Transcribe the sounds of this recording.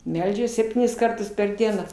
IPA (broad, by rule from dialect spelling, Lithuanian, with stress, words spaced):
ˈmʲɛlʲd͡ʒʲɛs sʲɛpʲˈtʲiːnʲɪs ˈkɐrtʊs pʲɛr ˈdʲiɛnɑː